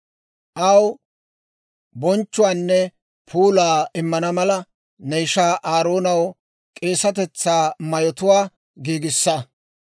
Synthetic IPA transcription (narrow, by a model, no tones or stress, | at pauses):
ʔɐw | bɔnt͡ʃːʊwaːnːɛ | pʰuːlaːɪmːɐnɐmɐlɐ | nejʃaːʔaːɾoːnɐw | kʼe̞ːsɐt̪̬ɛt͡sːaːmɐjɔt̪ʊwaː | ɡiːɡɪsːɐ